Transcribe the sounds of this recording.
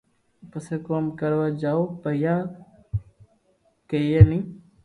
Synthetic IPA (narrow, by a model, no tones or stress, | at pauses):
pəseːkoːmkəɾʋad͡ʒaːopəjaː | kejeːnĩː